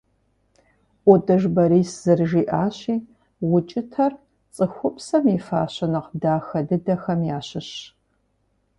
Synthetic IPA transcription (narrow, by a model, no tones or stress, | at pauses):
ʔʷɔdʼɨʒbɐɾiːsz̥ɨrʒiːʔaːɕiː | wʊt͡ʃʼɪtʰɐr | t͡sʼɨxʷʊpsɐmifa̰ːɕɐnɨqdaːxɐdɨdɐxɐmjaːɕɪɕ